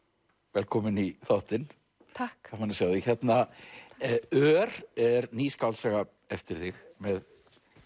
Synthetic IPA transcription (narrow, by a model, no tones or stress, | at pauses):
vɛlkʰɔmɪniθowht̪ɪn | tʰakamanɪsjaːwðɪçɛt̪na | œːɾɛɾniːskawlsɛɣa | ɛft̪ɪɾ̥θɪxmɛð